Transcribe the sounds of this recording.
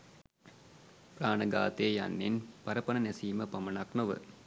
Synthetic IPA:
praːnəɡaːt̪eːja̰nːinpɐɾəpənənesiːməpɐmɐnaknoʋə̰

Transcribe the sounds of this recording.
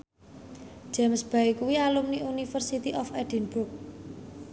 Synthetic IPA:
d͡ʒ̥ɛmsb̥a̤ikuwialumniunifərsit̪iʔɔfɛd̥inbʊrk̚

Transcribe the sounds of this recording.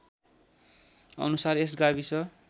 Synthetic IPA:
ʌ̰nusares̬ɡabisʌ

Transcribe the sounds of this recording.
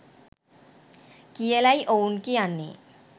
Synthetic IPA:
kijelajʔownkianːḭ

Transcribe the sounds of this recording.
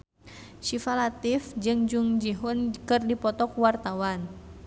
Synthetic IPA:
ʃifalat̪ifd͡ʒɨŋd͡ʒuŋd͡ʒiɦunkɨrdipɔt̪ɔkwart̪awan

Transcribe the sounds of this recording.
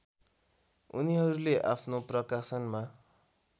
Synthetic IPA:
ṵniɦʌɾuleʔapʰnoprʌkasʌnma

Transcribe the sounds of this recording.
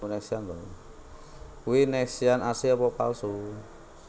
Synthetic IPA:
nɛksiant̪ɔn | kuwinɛksianasiɔpɔpa̰lsu

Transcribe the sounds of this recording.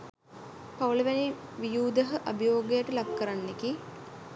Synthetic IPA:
pɐwɭɐʋɛniʋijuːd̪ɐɦɐʔɐbʱɐjoːɡɐjɐʈulɐb̚kɐɾɐnːeki

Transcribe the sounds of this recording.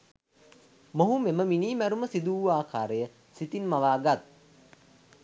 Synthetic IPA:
moɦumeməminiːmæɾuməsid̪uːaːkʰaːɾəjə | sit̪inmaʋaːɡat̪̚

